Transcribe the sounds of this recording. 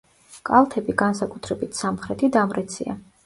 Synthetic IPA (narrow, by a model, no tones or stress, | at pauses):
kʼalˠt̪ʰɛbiɡansakʼut̪ʰɾɛbit̪ʰsamχɾɛt̪ʰid̪amɾɛt̪sʰia̰